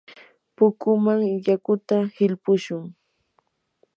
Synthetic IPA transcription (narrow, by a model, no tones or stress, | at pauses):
pʊkʊmaŋjakʊt̪ahɪlpʊʃʊŋ